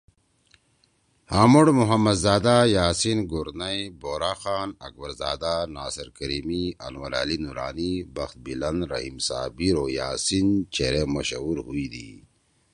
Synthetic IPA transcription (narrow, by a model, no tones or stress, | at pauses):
haːmuɽmuɦɐmːɐd̪zaːd̪ajaːsinɡuɾnɐjboːɾaːxaːnɐk̚bɐɾzaːd̪anaːsɐɾkɐɾiːmiɐ̰nwɐɾa̰linuɾaːnibɐxt̪̚bilɐnɾɐ̰ɦimsa̰ːbiɾoːjaːsint͡ʃeɾemɐɕɐuːɾɦuid̪ḭː